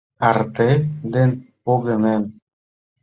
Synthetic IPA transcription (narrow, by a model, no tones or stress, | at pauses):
aɾt̪ed̪enpoɣemen